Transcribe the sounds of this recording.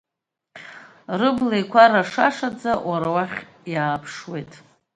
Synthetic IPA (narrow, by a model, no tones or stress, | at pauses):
rɨblejkʷʰaɾaʂaʂad͡zawaɾawaχʲ | jaːpʰʂwe̞jtʼ